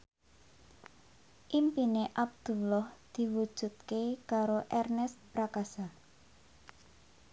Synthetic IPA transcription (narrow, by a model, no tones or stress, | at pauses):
ʔimpineʔab̚d̪̥ṳlɔhd̪̥i̤wu̥ʒ̥ṳt̪̚kekaɾoʔɛrnɛst̪̚pɾakasa